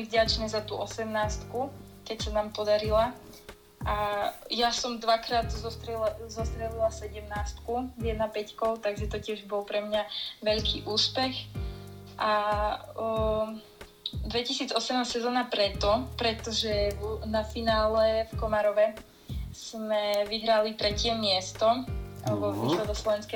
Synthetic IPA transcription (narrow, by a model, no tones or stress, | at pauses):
ivɟat͡ʃnɛzat̪uʔɔsɛmnaːst̪ku | kɛcsanaːmpɔd̪aɾila | ajasɔmd̪ʋakɾaːd̪zɔst̪ɾɛzɔst̪ɾɛlilasɛɟɛmnaːst̪kuvjɛd̪napɛckɔʊt̪aɡʒɛt̪ɔcɪɛʒbɔlˠpɾɛmɲaʋɛʎkiːʔuːspɛx | ʔa | d̪ʋɛcisiːd͡zɔsɛmnassɛzɔːnapɾɛt̪ɔpɾɛt̪ɔʒɛnafinaːlɛfkɔmaɾɔʋɛ | smɛʋiɦɾalit̪ɾɛcɪɛmɪɛst̪ɔ | ɔixlɛd̪ɔslɔʋɛnskɛ